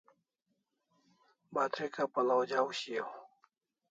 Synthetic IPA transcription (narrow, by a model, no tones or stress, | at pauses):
baːt̪ʰɾekapɐlawd͡ʑaːwɕiaw